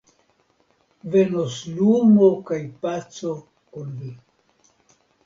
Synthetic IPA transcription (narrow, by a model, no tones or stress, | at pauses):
venoslumokajpat͡so | konvi